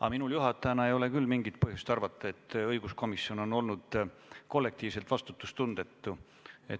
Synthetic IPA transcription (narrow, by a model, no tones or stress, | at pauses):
ʔɑ̰minuljuɦɑt̪ːˑɑjɑnɑe̞jo̞le̞kylːmiŋɡit̪̚pɤɦjust̪ɑrvɑt̪ːˑɑe̞t̪ːˑɤjɡ̥usko̞misːjo̞no̞no̞lnud̪̥ko̞lːe̞k̚t̪iːvse̞lt̪vɑst̪u̥t̪ːˑust̪und̪̥e̞t̪ːu | et̪